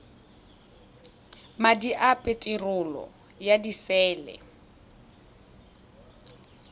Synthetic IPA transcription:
madiʔapʼetʼirʊlɔ̰ | jadisɛːlɛ̰

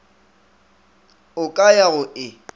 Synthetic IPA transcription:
ʊkʼajaɣʊʔɪ

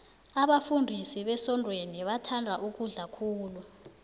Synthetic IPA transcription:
aɓafundʱisiɓɛsɔndʱʼweniɓatʰandʱaʔuk̬uɮakʰuːlu

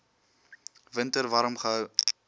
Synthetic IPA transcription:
vəntəɾvaːɾɔmχəɦœw

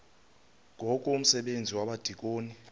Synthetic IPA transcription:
ŋʱɔkʼɔum̩sɛɓend͡zʱiwaɓad̥ʱik̬ʼoːni

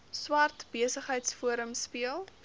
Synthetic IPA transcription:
swɐrtb̥iəsəχɦəjtsfuəɾəmspiəlˠ

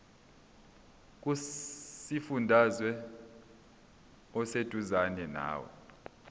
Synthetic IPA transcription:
k̬ʼusifundʱazwɛ | ɔsed̥ʱuzanɛna̰ːwɔ̰

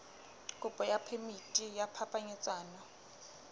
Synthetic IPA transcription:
kʼʊpʼɔjapʰemitʼijapʰapʰʼaɲɛt͡sʼaːna

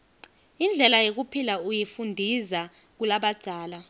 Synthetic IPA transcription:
ind͡ɮʱɛlajok̬upʰilaujifundʱiza | k̬ulaɓad̥ʱaːla

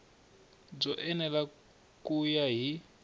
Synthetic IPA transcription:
b͡ʐɔʔɛnɛla | kujaɦi

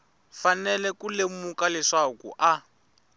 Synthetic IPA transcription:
fanɛlɛkulemukalɛʂakṵʔa

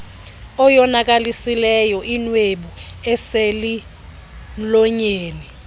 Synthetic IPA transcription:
ɔjɔnak̬alisilɛjɔʔinweɓuɛseli | lɔɲeːni

